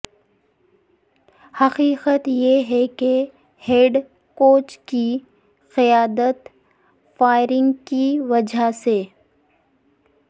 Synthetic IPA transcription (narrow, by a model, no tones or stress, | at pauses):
hɐqiːqət̪jeɦɛke | heːɖ | koːt͡ʃki | qɪjaːd̪ət̪ | faːɪɾɪ̃ŋɡkiʋɐd͡ʒʱase